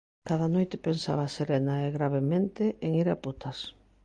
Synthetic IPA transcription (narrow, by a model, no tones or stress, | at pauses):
kaðɐnojt̪ɪpensa̰βɐseɾenaeɣɾaβ̞emẽnt̪eʔeŋiɾaput̪ɐs